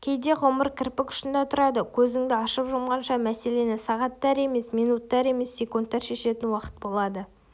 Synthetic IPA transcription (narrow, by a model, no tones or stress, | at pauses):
kʲʰe̞jd̪e̞ʁoməɾkʲʰɪɾpɪkʲʰʏ̥ʃɪnd̪ɑt̪ʰʊɾɑd̪əkʲʰɵzɪŋd̪ɪɑʃəpʒʊmʁɑnʃɑmæse̞le̞nɪsɑʁɑt̪ːɑɾe̞me̞smijnut̪ːɑɾe̞me̞sːe̞kunt̪ːɑɾʃe̞ʃe̞t̪ɪnwɑqə̥t̪̚bo̞lˠɑd̪ə